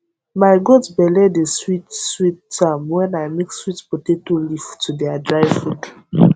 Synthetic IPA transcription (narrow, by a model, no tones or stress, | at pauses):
maɪɡodzbɛlɛdeswitswitːamwɛ̃naɪmekswitpotetoliftudɛadɹaɪfud